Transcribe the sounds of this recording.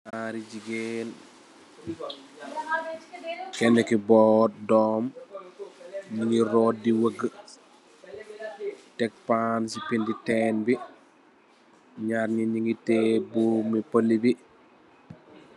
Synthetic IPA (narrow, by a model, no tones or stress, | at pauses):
aɾid͡ʒiɡen | kɛnːɛkibɔːt̚dɔːm | ɲiŋɡiɾɔːt̚diwəɡə | tɛk̚pansipinditɛːnbi | ɲaːɾɲiɲiŋɡitebumipolːibi